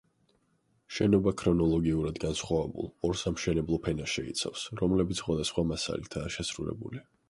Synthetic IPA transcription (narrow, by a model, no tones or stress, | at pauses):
ʃɛnɔbakʰɾɔnɔlˠɔɡiuɾad̪ɡansχwavɛbṵlˠɔɾsamʃɛnɛblˠɔpʰɛnaʃɛḭt̪sʰa̰fsɾɔmlɛbit̪sʰχwad̪asχwamasa̰lit̪ʰaːʃɛsɾulɛ̰bṵli